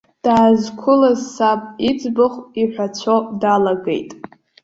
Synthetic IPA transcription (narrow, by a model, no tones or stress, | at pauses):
d̥aːzkʷʰʊlazsapʼit͡sʼbɨχʷiħʷᶣat͡ɕʷʰodalaɡḛjtʼ